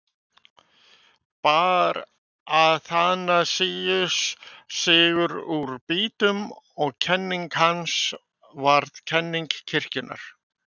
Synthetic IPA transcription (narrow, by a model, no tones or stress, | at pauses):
paːɾ | aðθanasiːjʏssɪːɣʏɾuɾpiːt̪ʏm | ɔɣcʰɛnːiŋkhans | vaɾðcʰɛnːiŋkcʰɪr̥cɪnʔa̰ɾ̥